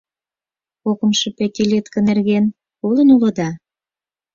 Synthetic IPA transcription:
kokə̆mʃĕpet̪ʲilʲet̪kə̆nerɣen | kulə̆nulɤ̆d̪ɑ

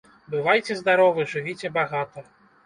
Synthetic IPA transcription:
bɨvajt͡sʲɛzd̪aɾɔvɨʐɨvʲit͡sʲɛbaɣat̪ɐ

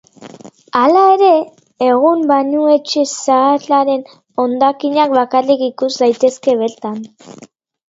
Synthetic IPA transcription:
alae̞ɾe̞ | eɣ̞umbaɲue̞t͡ʃesaːlaɾe̞n | o̞nd̪akiɲak̚βakarikikuzd̪ajt̪e̞ske̞βe̞ɾt̪an

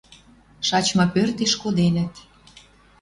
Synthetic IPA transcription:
ʃɑt͡ɕmɑpørt̪eʃkod̪enə̆t̪

